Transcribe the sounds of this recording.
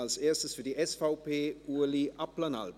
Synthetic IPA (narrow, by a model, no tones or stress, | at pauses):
alseːɐstəsfyːɐdiːɛsfaʊpʰeːʔuːɐliʔaplɐna̰lb